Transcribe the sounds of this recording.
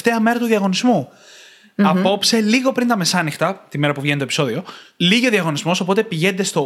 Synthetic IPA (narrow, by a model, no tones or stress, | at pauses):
t̪eɐme̞ɾɐt̪uðiɐɣo̞nizmu | ɐpo̞pse̞liɣo̞pɾint̪ɐme̞sɐnixt̪ɐt̪ime̞ɾɐpuvʝent̪opi̥so̞ðio̞liʝioðiɐɣo̞nizmo̞so̞po̞t̪e̞piʝe̞nd̪e̞st̪o̞